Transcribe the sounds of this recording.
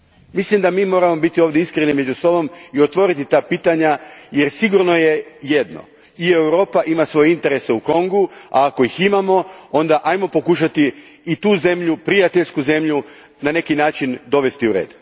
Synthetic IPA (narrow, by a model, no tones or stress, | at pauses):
mislimd̪amiːmo̞ːɾamo̞bit̪io̞ːʋd̪jeiskɾenime̞d͡ʒuso̞bo̞mio̞t̪ʋo̞ɾit̪it̪aːpiːt̪aɲaje̞ɾsiɡuɾno̞je̞je̞d̪no̞̰ | ie̞wɾo̞ːpaʔimasʋo̞jeint̪e̞ɾe̞seuko̞ŋɡua̰ːko̞iximamo̞o̞nd̪aʔajmo̞po̞kuʃ̬at̪iːt̪uːze̞mʎupɾijat̪eʎskuze̞mʎu | nane̞kinaːt͡ʃind̪o̞ʋe̞st̪iuɾe̞̰ːd̪